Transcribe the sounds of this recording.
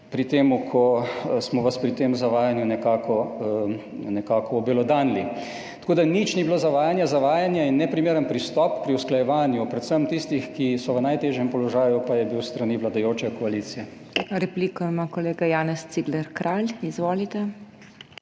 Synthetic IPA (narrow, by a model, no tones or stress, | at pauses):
pɾit̪eːmukʰɔsmɔʋaspɾit̪emuzaʋaːjanjunɛkaːkɔ | nɛkaːkɔːbilɔd̪aːnli | t̪ɐ̥koːd̪anit͡ʃnibiloːzaʋaːjanjazaʋaːjanjainːɛpɾimeːɾənpɾist̪ɔpːɾiwsklajɛʋaːnjupɾɛt̪səmt̪ist̪ixkisɔʋənajt̪eːʒjɛmpɔlɔʒaːjupajɛbiwst̪ɾaniʋlad̪ajoːt͡ʃɛkɔaliːt̪sijɛ | ɾɛplikɔmakɔleːɡajaːnɛst̪siɡlɛɾkɾʔalizʋoːlit̪ɛ